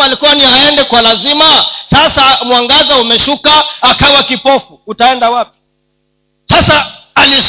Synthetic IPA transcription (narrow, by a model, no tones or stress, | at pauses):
alikuwanihaɛndɛkwalazimasasamwaŋɡazaumɛʃukaːkawakipɔfuutaɛndawapi̥ | sasaːlis